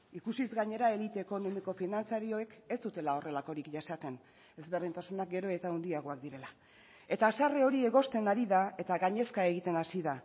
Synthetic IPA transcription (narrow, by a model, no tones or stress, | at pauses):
ikusizɣaɲe̞ɾae̞lit̪e̞ːko̞no̞miko̞finant͡saɾio̞eke̞st̪ut̪e̞lao̞re̞lako̞ɾikʝasat̪e̞n | e̞zβe̞rðint̪asunak̚ɡe̞ɾo̞e̞t̪aond̪iaɣ̞o̞ak̚d̪iɾe̞la | e̞t̪aːsareo̞ɾie̞ɣo̞st̪e̞naɾiðae̞t̪aɣaɲe̞skae̞ɣ̞it̪e̞nasiða